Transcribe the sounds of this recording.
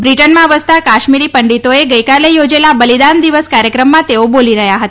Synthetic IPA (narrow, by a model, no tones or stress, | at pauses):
bɾiʈənmãʋəst̪akaʃmiɾipəɳɖit̪oeɡəjkalejod͡ʒelabəlid̪and̪iʋəskaɾjəkɾəmːãt̪eoboliɾəɦjaɦət̪a